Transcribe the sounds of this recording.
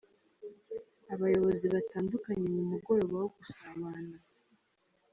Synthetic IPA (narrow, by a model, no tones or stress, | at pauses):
aβajo̞βo̞ziβataːndukaɲe̞mumuɡo̞ɾe̞ɡwawoɡusaβana